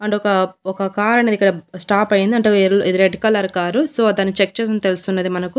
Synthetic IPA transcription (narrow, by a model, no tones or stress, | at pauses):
ɐɳʈɔkɐɔkɐkaːɾɐned̪ikːɐɽɐsʈaːpɐjind̪iɐɳʈeːɾlʔid̪iɾeɖikɐlɐɾkaːɾusoːd̪aːnːit͡ʃek̚ːt͡ʃeːs̬ɐnt̪elust̪unːɐd̪imɐnɐku